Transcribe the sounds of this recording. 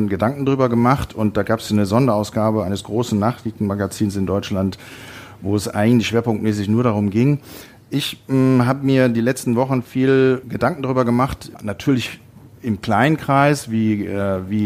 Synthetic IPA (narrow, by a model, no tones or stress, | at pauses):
ɡədaŋkŋ̩daʁyːbɐɡəmaχtʰʊnt̚d̥aːɡaːpsanəzɔndɐaʊsɡ̥aːbəaɪnəsɡ̥ʁoːsn̩naːχliːtn̩maɡat͡siːnsɪndɔʏt͡ʃlantvoːɛsʔa̰ɪɡŋ̩tlɪçʃv̥eːɐpʊŋktmɛːs̬ɪçnuːɐɾaʁ̞ʊmɡɪŋ | ʔɪçɦaːbəmiːɐdiːlɛt͡stn̩vɔχn̩fiːlɡədaŋk̩daʁyːbɐɡəmaχtnatʰyːɐlɪç | ʔɪmkl̥aɪnənkʁ̥aɪsviːɛviː